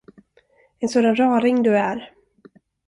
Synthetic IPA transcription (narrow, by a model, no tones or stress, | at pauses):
ɛnsoːd̪anɾɑːɾɪŋd̪ɵæɾ